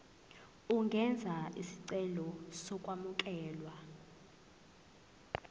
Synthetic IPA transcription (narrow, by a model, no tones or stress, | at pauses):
uŋɡʱɛnd͡zʱaḭsi̥ǀɛlɔsɔkʼwamuk̬ʼɛːlwa